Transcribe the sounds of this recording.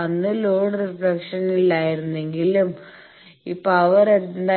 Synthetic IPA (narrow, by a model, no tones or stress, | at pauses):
ɐnːɨloːɳrifɾɽɐkʂɐnilːaːjiɾunːe̞ŋɡilum | ipːɐʋɐɾend̪aː